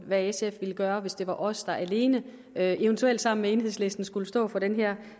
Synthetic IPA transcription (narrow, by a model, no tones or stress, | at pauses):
ʋæesefʋiləɡ̥ɶːɐʋe̝sd̥e̝ʋɑ̈ʔɒ̽sd̥ɑ̈ʔæle̝ːnə | øe̝ʊənt͡sʰuel̰d̥sɑ̈m̰n̩mee̝ːnɦe̝ðˠsle̝sd̥n̩sɡ̥uləsd̥ɔ̰̽ːfɒ̽ɾ̥enɦɛɐ̰